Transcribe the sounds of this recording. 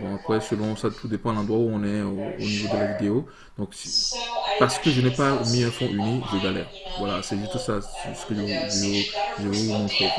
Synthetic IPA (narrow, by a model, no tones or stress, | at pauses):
bɔ̃apχɛsəlɔ̃sat̪ʰud̪epɑ̃lɑ̃d̪ʁwauɔ̃nɛøo̰nivod̪əlavid̪eo | d̪̥ɔ̃k | paʁsə̥kəʒənɛpamiɛ̃fɔ̃ʔyniʒəɡalɛʁvwala̰sɛʒyst̪usasə̥kəʒəʒoʒəvumɔ̃fɔ